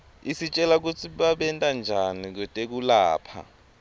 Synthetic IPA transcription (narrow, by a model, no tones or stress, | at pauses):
isit͡ʃʼɛlak̬ut͡sʰiɓaɓɛntʼand͡ʒʱanik̬utʼek̬ulaːpʰa̰